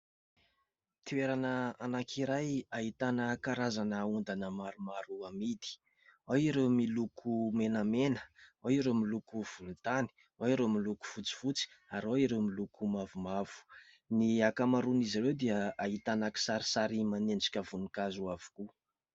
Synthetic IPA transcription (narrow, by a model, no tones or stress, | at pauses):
t̪ieɾanəanakʰiɾajaɦit̪anəkaɾazanaund̪anəmaɾumaɾuamid̪i̥ | aiɾewmilukʰumenəmenə̥aiɾemilukuv̥ulut̪ani̥ | aiɾemiluku̥fut͡si̥fut͡si̥aɾoiɾemilukʰumavumav̥u̥ | niakamaɾuniziɾewd̪eəaɦit̪anaki̥saɾisaɾimanend͡ʒi̥kʲəvunikazuavu̥ku